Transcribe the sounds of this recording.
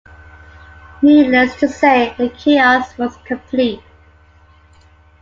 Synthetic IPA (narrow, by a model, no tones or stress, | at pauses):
hilɛstʰəseɪəkʰiaswɔz̥kʰə̃mpʰlit̚